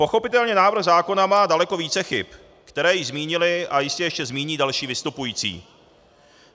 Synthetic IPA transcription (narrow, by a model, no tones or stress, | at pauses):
po̞xo̞pɪt̪ɛlɲɛnaːvɾr̩ɣzaːko̞namaːdalɛko̞viːt͡sɛxɪp | kt̪ɛɾɛːjɪzmiːɲɪlɪʔajɪscɛjɛʃcɛzmiːɲiːdalʃiːvɪst̪upujiːt͡sḭː